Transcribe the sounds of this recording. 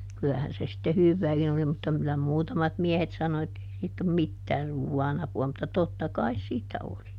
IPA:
kylæhæn se sĭtːe hyʋːæːkin oli mutːɑ kylæ muːtɑmɑt miehet sɑno etːei siːtː om mitːæː ruːwːɑːn ɑpuɑ mutːɑ totːɑ kɑis siːtːæ oli

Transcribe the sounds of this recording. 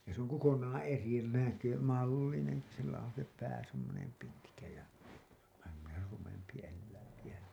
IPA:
jɑ s oŋ kokonɑːɑ̃ eri nækø mɑlːineŋki silːæ on̞ se pæː semːonem pitkæ jɑ ʋæhæ semːoner rumempi elːæiŋki jæ

